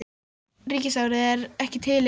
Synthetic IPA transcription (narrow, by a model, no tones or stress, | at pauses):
ɾiːcɪsawɾɪɛɾɛhcɪt̪ʰɪle